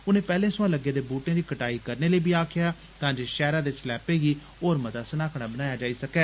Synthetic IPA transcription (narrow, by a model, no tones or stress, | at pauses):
ʊnẽːpɛːlẽːsʊãːləɡːeːd̪eːbuːʈẽːd̪iːkəʈaːiːkəɾneːləiːbʱiːaːkʰɪjaː | t̪ãːd͡ʒeːʃɛːɾãːd̪eɪt͡ʃlɛːpeːɡiː | oːɾmət̪aːsənaːkʰɽaːbənaːjaːd͡ʒaːiːsəkɛː